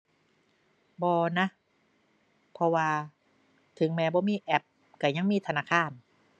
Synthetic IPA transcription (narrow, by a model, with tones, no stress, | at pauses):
bɔː˧na˦˥ | pʰɔ˧waː˧ | t̪ʰɯ˨˩˦ŋmɛː˧˥bɔː˧˦miː˧˩˨ʔɛ˧˩p̚ | ka˧˩ja˧˥˩ŋmiː˧˩t̪ʰa˧naː˧˥˩kʰaː˧˩n